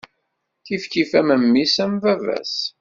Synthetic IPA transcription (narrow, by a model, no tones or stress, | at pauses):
θifkifæməmːisæmvævæ̰s